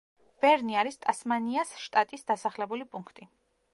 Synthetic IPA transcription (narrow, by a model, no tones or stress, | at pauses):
v̥ɛɾniaɾist̪ʼasmaniasʃt̪ʼat̪ʼisd̪asaχlɛbulipʼuŋkʰt̪ʼi